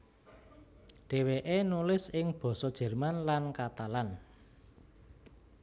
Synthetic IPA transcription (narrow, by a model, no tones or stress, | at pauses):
ɖ̥e̤weʔenulɪsɪŋb̥ɔ̤sɔd̥ʒ̥ɛ̤rmanlankat̪alan